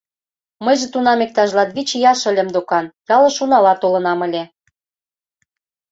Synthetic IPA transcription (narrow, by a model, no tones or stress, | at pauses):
mə̆jʒĕt̪unɑmek̚t̪ɑʒlɑt̪βit͡ɕjɑʃə̆lʲĕmd̪okɑnjɑlɤ̆ʃunɑlɑt̪olɤ̆nɑmə̆lʲĕ